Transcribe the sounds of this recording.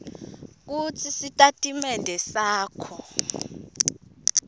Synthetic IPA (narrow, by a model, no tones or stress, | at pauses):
k̬ut͡sʰisitʼatʼimɛndʱɛsaːkʰɔ